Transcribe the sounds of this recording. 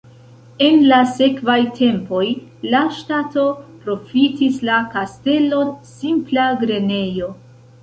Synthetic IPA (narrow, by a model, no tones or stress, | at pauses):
e̞nlase̞kvajtʰe̞mpo̞jlaʃtato̞pɾo̞fitislakaste̞lo̞nsimplaɡɾe̞ne̞jo̞